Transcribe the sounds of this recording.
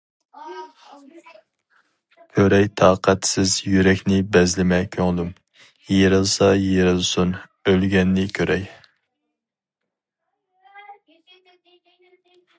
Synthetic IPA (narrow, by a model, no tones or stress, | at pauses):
kʲʰøɾɛjt̪ʰɑːqʰæt̪sɪzjyɾɛkʲnɪbɛzlɪmɛkʲʰøŋd̪um | jeɾɨlˠsɑjeɾɨlˠsun | ølɡʲɛnːɪkʲʰøɾʔɛj